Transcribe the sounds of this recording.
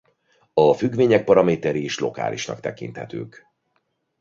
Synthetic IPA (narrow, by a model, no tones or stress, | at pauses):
ɒfyɡveːɲɛk̚pɒɾɒmeːt̪ɛɾieːʃlo̞ka̰ːlʔḭʃnɒ̰kt̪ɛkḭnt̪hɛt̪ø̰ːk